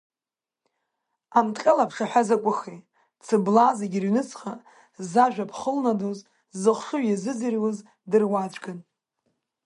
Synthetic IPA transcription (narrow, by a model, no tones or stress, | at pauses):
amtʼqʲʼalapʰʂaħʷazakʷʼʊχej | t͡sʰɨblaːzeɡʲirɥnɨt͡sʰʼqʼa | zaʒᶣapʰχəlnadoz | zɨχʷʂɨɥjazɨd͡zɨrwaz | dɨrwat͡ʃʷʰʼɡɨn